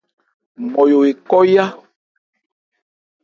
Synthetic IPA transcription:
mɔ˨jo˨we˨kɔ˦ja˦

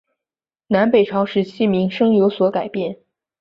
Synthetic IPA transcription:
na˧˥npe˨˩ɪʈ͡ʂʰɑ˧˥ʊʂɻ̩˧˥t͡ɕʰi˥mi˧˥ŋʂɤ˥ŋjo˧˥ʊswɔ˧˥ka˨˩ɪpjɛ˥˩n

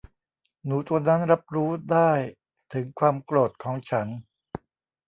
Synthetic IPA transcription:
nuː˩˦t̪u˧ɐna˦˥nɾa˦˥p̚ɾuː˦˥daː˥˩j | t̪ʰɯ˩˦ŋkʰwaː˧mkloː˨˩t̪̚kʰɔː˩˦ŋt͡ɕʰa˦˥n

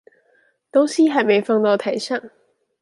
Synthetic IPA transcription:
t̪o˥wsiː˥ɦɐ˨˧jme˨˧jfɑ˥ŋt̪ɔː˧˥t̪ʰɐ˨˥jsa˥˩ŋ

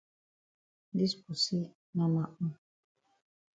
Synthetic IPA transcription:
di˦spu˨si˦ | nã˦ma˦ʔm̩˦

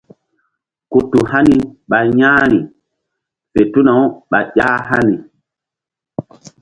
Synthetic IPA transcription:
ku˨tːu˨ha˦ni˨ɓa˨ɲãː˦ɾi˨ | pe˨tu˦na˨wɓa˨ʄʲaː˦ɦa˦ni˨

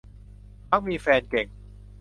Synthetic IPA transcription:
ma˦˥˩k̚miː˧fɛː˧nke˨˩ŋ

